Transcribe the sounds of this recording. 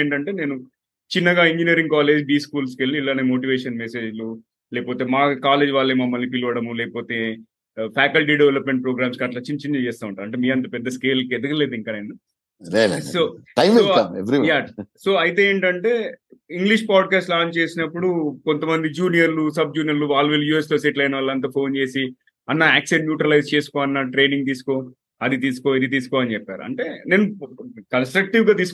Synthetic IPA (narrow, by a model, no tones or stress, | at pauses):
eːɳʈɐɳʈe̞ːne̞ːnu | t͡ʃinːɐɡaːiɲd͡ʒinijɐɾiŋɡkaːle̞ːd͡ʒbiːskuːlskelːiilːaːneːmo̞ːʈ̬iʋeːʂɐnmese̞ːd͡ʒlu | lɛːɐpoːt̪e̞ːmaːkaːle̞ːd͡ʒʋaːlːeːmɐmːɐlːipiluʋɐɽɐmulɛːkɐpoːt̪e̞ː | pʰaːkɐlʈiːɖeʋelɐpmeɳʈ̚pɾoːɡɾaːmskɐʈlɐt͡ʃint͡ʃinːɐt͡ʃɛːst̪aːʋuɳʈaːɐɳʈeːmiːɐnt̪̬ɐpɛd̪ːɐske̞ːlkɛd̪ɐkɐle̞ːd̪iŋkaːɐjni | soːʈɐjmoːaeʋɐɾijaːso̞ːɐjt̪̬e̞eːɳʈɐɳʈe̞ːiŋɡliʂpaːɖ̚kaːsʈlaːɲt͡ʃe̞ːsinɐpːuɽukont̪ɐmɐnd̪id͡ʒuːnijɐɾlusɐb̚d͡ʒuːnijɐɾluʋaːlːʋilːjuːest̪oːseʈlɐjnɐʋɐlːɐnt̪̬ɐpʰo̞ːnt͡ʃe̞ːsi | ɐnːɐaːkseɖmjuːʈɾɐlɐjst͡ʃeːsu̥koːɐnːɐʈɾe̞ːniŋɡ̚t̪̬iːsu̥koː | ɐd̪it̪iːsu̥koɐd̪it̪̬iːsu̥kɔːɐnit͡ʃɛpːaːɾuɐ̰ɳʈe̞ːne̞ːnːukɐnsʈɾɐk̚ʈiʋɡaːt̪iːs